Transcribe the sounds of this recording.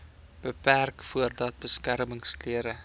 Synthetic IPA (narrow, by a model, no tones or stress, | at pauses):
b̥əpærkfuərdɐt̚bəskærməŋstliəɾə